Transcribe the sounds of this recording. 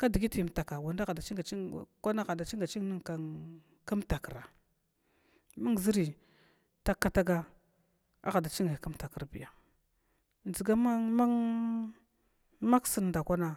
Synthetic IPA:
ka˦di˨ɡi˦ti˨m˨ta˨ka˨wa˨nda˦a˨da˨t͡ʃi˦ŋɡa˨i˦˨ka˦na˦ɣa˨da˨t͡ʃi˦ŋɡa˨t͡ʃi˦ŋ˦ni˦ŋka˨ | ka˦m˦ta˨kə˨ɾa˨ | ma˦ŋ˨zi˦ɾi˨ | ta˦kːa˦ta˦ɡa˦ | a̰˦ɣa˨da˨t͡ʃi˦ŋa˨ka˦mta˨ki˨ɾbḭ˨ja˨ | nzi˨ɡa˦ma˦ma˦ŋ | ma˦ksə˦n˨da˨kʷa˦na˦

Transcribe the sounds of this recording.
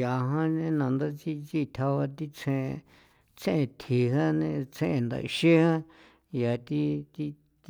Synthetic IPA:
ja˨ɦã˦nẽ˧nã˨nd̪a˦t͡si˦˧t͡ʃi˦˧t̪ʰa˧βa˧t̪i˦t͡sʰẽ˧ | t͡sẽ˦ʔẽ˧t̪ʰi˨ɦã˦nẽ˧t͡sẽ˦ʔẽ˧nd̪a̰˨ʔḭ˧ʃe˦hã˦ | ja˨t̪i˦t̪i˦˧

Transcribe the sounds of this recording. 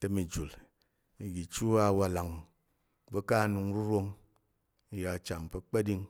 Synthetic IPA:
te˨mi˨d͡ʒu˨l | i˨ɡi˨t͡ʃu˦a˨wa˨la˨ŋ | be˦ka˦˨nu˧ŋ˦ɾu˦ɾo˦ŋ | i˨ja˨t͡ʃa˨m˨pe˨˦k͡pe˦di˦ŋ

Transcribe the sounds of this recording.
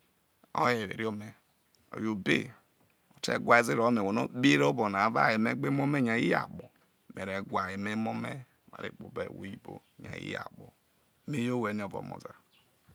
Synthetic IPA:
o̰˦je˨ɾḛ˨ɾi˦o˦me˨ | o̰˨jo˨be˦ | o˨tḛ˦ɡʷa˦i˦zi˦ɾo˨˦me˨wo˨no̰˦be˦ɾo˦bo˨na˨˦va̰˦˨je˨me˦ɡ͡be˦m˦o˦me˦˨ɲa˨ji˦a̰˨k͡po˨ | me˨ɾe˨ɡʷa˨je˨me˦mo˦me˦ | ma̰˨ɾḛ˦k͡po̰˨be˨wo̰˨ji˦bo˦ | ɲa̰˨ḭ˦ja̰˨bo˨ | me˦jo˦we˨˦ni˨˦o˨vo̰˨mo̰˨za˨

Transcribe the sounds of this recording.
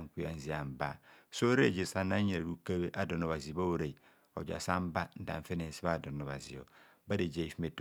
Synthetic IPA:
ŋ˨kʷu˦a˨n̩˨zi˨a˨m˨ba̰˦˨so˦ɾe˦˨d͡ʒe˨sa˨na˦e˨ɾdu˦ka˦be˦ʔa˦do˨no˨βa˨zi˨ba˦wo˦ɾe˨i˨ | o̰˨d͡ʒa̰˨sa˦m˦ba˦n̩˦da̰˨ɱ˨fe˦ne˨n˨si˦ba˦˨do˨no˨βa̰˨zḭ˨o̰˨ | ba˦de˨d͡ʒe˨i˨fi˦me˨t

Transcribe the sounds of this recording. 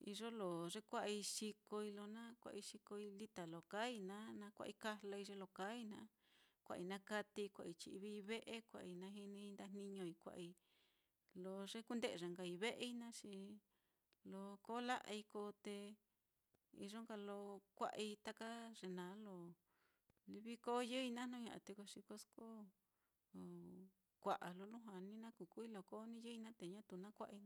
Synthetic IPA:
ḭ˧ʐo˦lo˨ʐe˦kʷa˦ʔi˧ʂi˧ko˧i˧lo˧nã˦kʷa̰˧ʔi˧ʂi˧ko˧i˧li˦t̪a˨lo˨ka˦i˧nã˦nã˧˦kʷa̰˧i˧ka˦lo˧i˧ʐe˧lo˧ka˨˦i˧nã˧˦ | kʷa̰˧ʔi˧nã˦ka˧t̪i˧kʷa̰˧ʔi˧t͡ʃi˧i˧βi˧βe˦ʔe˦kʷa̰˨ʔi˧nã˧˦ɦi˧nĩ˧i˧nd̪a˧n̥nĩ˧ɲõ˧i˧kʷa̰˧ʔi˧ | lo˧ʐe˦ku˦nd̪e˦˧˨ʐa˨ŋɡa˧i˧βe˦ʔi˦nã˦ʃi˧ | lo˧ko˦la˦ʔi˧ko˧˦t̪e˧ | ḭ˧ʐo˦ŋɡa˧lo˧kʷa̰˦˧ʔi˧t̪a˦ka˦ʐe˧nã˨˦lo˧ | li˧βi˦ko˦jɨ˦i˧nã˦nũ˦ɲã̰˧˨ã̰˧t̪e˧ko˧ʂi˧ko˧˦sko˦˨ | kʷa˨ʔa˨lo˧lu˦ɦa˧nĩ˦nã˦ku˨ku˦i˦lo˧ko˦nĩ˦jɨ˦i˧nã˦t̪e˨ɲã˦t̪u˧˨nã˦kʷa˦ʔ

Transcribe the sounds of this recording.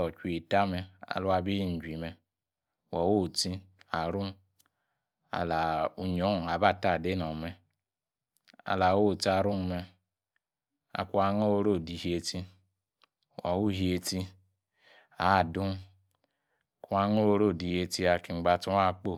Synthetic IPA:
ɔ˨t͡ʃʷi˦i˨ta˦mɛ˧a̰˨lu˦a˧bi˦i˦n̩˨d͡ʒʷi˨mɛ˨ | wa˨wo˦˨ti˦a˨ɾu˦m | a̰˨la˨u˨ɲ˨o˨˦n˨a˨ba˦˨ta˦˨de˦nɔ˨mɛ˨ | a̰˨la˨wo˦˨ti˦a˧˨ɾu˦m˦mɛ˧ | a̰˨ku˦a˧ŋo˦wo˧˦ɾo˦˨di˨hi˨˦e˧ti˧ | wa˨wu˦ɦi˨˦e˧ti˧ | a˨du˦m˨ | ku˦a˧˦ŋo˦o˧ɾo˦˨di˨˦e˧ti˧a˨ki˨˧ŋ͡mɡ͡ba˧tu˦a˦˨k͡po˦˨

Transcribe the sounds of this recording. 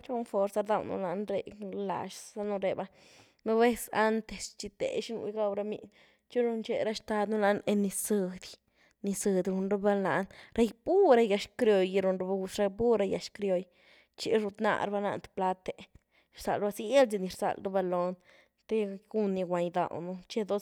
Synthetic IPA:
t͡ʃo˦nfo˧ɾsa˧ɾd̪a˧wnṵ˧la˧nɾe˧la̰˧ʃa˦nu˧ɾe˧˨ba˧ | no˦be˦sa˦nt̪e˨st͡ʃi˧t̪ḛ˨ʃnṵ˧jɡa˦˧wɾa˧mḭ˧ | t͡ʃi˦ɾu˧nt͡ʃe˧˨ɾa˦ʃt̪a˧d̪nu˦la˧ne˧ni˧sɨ˧d̪ | ni˧sɨ˧d̪ɾu˧nɾo˧˦ba˦la˨nɾa˧jbu˦ɾa˧ja˧ʂkɾjo˧ji˧ɾu˧nɾu˧ba˧˦ɡu˧ʃɾa˧jbu˦ɾa˧ja˨ʃkɾjo˧j | t͡ʃi˧˦ɾu˧t̪na̰˧ɾba˧na̰˧nt̪pla˧t̪e˨ | ɾsa̰˨lba˧se˦lt͡si˧ni˧ɾsa̰˧˨lɾu˦ba˧lo˧n | t̪e˦ɡu˦nːi˧ɡʷa˨ɲd̪a̰˨wnu˧t͡ʃe˦d̪o˦

